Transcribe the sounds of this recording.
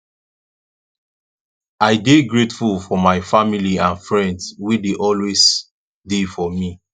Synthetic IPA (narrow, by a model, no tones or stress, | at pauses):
aɪdeɡɹetfulfɔmaɪfamiliãnfɹɛ̃ndswideʔɔlwes | defɔmi